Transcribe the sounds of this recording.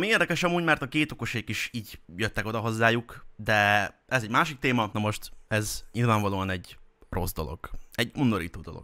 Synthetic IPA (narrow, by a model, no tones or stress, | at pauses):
mieːrd̪ɛkɛʃɒmuːɟmɛrt̪ɒkeːt̪o̞ko̞ʃeːkiʃiːɟjøt̪ːɛko̞d̪ɒɦo̞zːaːjukd̪ɛ | ɛzɛɟmaːʃik̚t̪eːmɒnomo̞ʃt̪ɛzɲilvaːɱvɒloːɒnɛɟro̞zd̪o̞lo̞̰ɡ̥ɛɟund̪oɾiːt̪oːd̪o̞lo̞̰ɡ̥